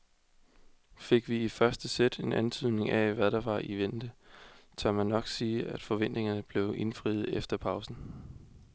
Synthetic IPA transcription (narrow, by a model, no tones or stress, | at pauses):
fe̝ɡ̥ʋiifɶɐsd̥əsed̥e̝nænt͡sʰyð̰ˠne̝ŋʔæʋæðˠɾ̥ɑ̈ʋɑ̈ʔiʋen̰d̥ət͡sʰɶɐmænːɒ̽ɡ̥siːæd̥fɒ̽ʋen̰d̥ne̝ŋɐnəb̥le̝ʊʔe̝nfʁḭːð̩ˠefd̥ɐpʰɑ̈ʊsn̩